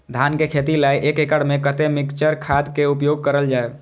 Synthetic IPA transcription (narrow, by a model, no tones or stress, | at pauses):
d̪ʱankekʰet̪ilaiʔekekəɽmekət̪emikt͡ʃəɾkʰad̪keupjoɡ̚kəɾəld͡ʒae